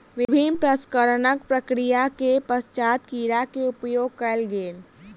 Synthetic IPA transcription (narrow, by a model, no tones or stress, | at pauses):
ʋɪbʱinpɾəskəɾənəkpɾəkɾijakepəst͡ʃat̪kiːɾakeʊpjoːɡ̚kɛlɡeːl